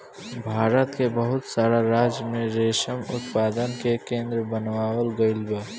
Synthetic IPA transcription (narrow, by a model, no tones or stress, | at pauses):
bʱaːɾət̪kebəɦʊt̪saːɾaɾad͡ʒjəmẽɾeʃəmʊ̰t̪paːd̪ənkekẽːnd̪ɾəbənʋaːwəlɡəɪlbə